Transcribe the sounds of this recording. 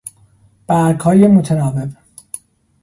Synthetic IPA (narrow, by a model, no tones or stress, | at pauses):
b̥æɾɡhɒːjemot̪ʰenɒːvev